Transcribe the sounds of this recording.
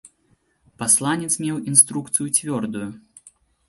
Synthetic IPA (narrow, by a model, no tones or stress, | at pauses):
paslˠanʲɛt̪smʲɛwinst̪ɾukt̪sɨjut͡sʲvʲɔrd̪uju